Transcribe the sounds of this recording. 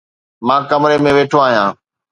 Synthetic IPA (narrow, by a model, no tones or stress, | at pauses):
mãːkəmɾemẽʋeːʈʰoaːɦijãː